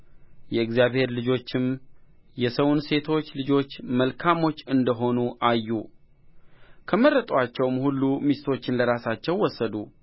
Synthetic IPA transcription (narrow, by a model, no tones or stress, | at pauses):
jɛɨɡzijaβhe̞ɾlɨd͡ʒo̞t͡ʃːɪmjɛsəwunse̞t̪ʰo̞t͡ʃːlɨd͡ʒo̞t͡ʃːməlkʰamo̞t͡ʃːɨnd̪əɦo̞nuʔajːu | kʰəmərːət̪ʼwat͡ʃːɛwmhulːumist̪ʰo̞t͡ʃːɪnləɾasat͡ʃːɛwːɔsːəd̪u